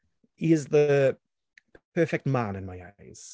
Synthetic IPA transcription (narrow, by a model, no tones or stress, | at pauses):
hiɪzðə | pʰɜˑfɛk̚t̚mãnɨ̃nmaɪa̰ɪz̥